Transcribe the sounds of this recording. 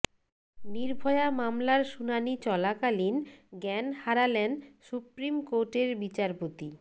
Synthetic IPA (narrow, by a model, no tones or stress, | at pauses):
niɾbʱɔeamamlaɾʃunanit͡ɕɔlakalinɡɛnhaɾalensupɾimkoɾʈeɾbit͡ɕaɾpot̪i